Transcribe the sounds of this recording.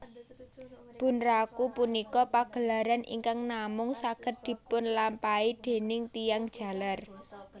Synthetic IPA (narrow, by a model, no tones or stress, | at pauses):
b̥ṳnrakupunikɔpaɡ̥ə̤laɾanʔḭŋkaŋnamʊŋsaɡ̥ə̤t̪̚d̪̥i̤pʊnlampaid̪̥e̤nɪŋt̪ijaŋd̥ʒ̥a̤lar